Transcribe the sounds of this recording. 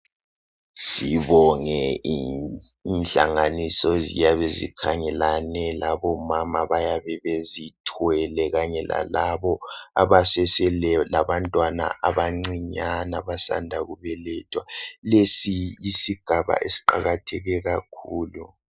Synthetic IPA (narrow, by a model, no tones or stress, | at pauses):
siβɔŋɛi | nɬa̰ŋanisɔzijaβezḭkʰaŋɛlanɛlaβɔmamaβajaβɛβezitʰwɛlɛɣaɲɛla̰laβɔaβasɛsɛlɛlaβantʼwana̰ʔaβaŋ͡ǀiɲanaβasa̰ndʱaɣuβɛlɛtʼwalesiisiɡ̥ʱaβa̰ʔesi̥ǃaɣatʰɛɣɛɣakʰuːlu